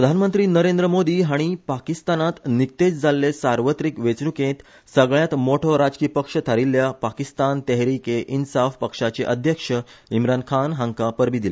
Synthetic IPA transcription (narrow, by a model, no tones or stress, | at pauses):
pɾəd̪ʱanmənt̪ɾiːnəɾẽnd̪ɾəmod̪iːɦaɽ̃ipakist̪anat̪nik̚t̪et͡sd͡zalːesaɾʋət̪ɾikʋet͡sɳukẽt̪ | səɡɭjãt̪moʈʰoɾad͡zkiːpəkʂət̪ʰaɾilːjapakist̪ant̪ɛɦɾikeʔinsafpəkʂat͡ɕeʔəd̪ʱjəkʂəimɾankʰanɦãŋkapəɾbiːd̪ile